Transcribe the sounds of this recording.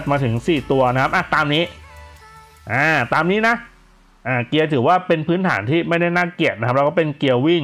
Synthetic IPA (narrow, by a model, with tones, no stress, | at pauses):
t̪̚maː˧t̪ʰɯ˩˦ŋsiː˨˩t̪u˧ɐna˦˥kʰp̚ʔa˧˨˩t̪aː˧mniː˦˥ | ʔaː˧˩t̪aː˧mniː˦˥na˦˥ | ʔaː˧˩ki˧ɐt̪ʰɯː˩˦waː˥˩pe˧npʰɯː˦˥nt̪ʰa̰ː˩˦nt̪ʰiː˥˩ma˥˩jda˥˩jnaː˥˩ki˨˩ət̪̚na˦˥a˦˥pɾaː˦˥kɔː˥˩pe˧nki˧əwwi˥˩ŋ